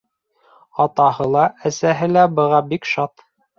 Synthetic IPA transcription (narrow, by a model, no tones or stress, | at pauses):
ɑt̪ɑhɤlˠɑæsæɦɘlæbɤ̆ʁɑbikʃɑt̪